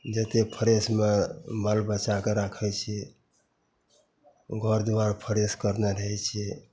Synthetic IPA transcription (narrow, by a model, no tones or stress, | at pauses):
d͡ʒət̪epʰəɾesmeməlbət͡ʃakeɾakʰɛt͡ʃʰi | ɡʱəɾd̪waɾpʰəɾeskəɾneɾəɦɛt͡ʃʰɛ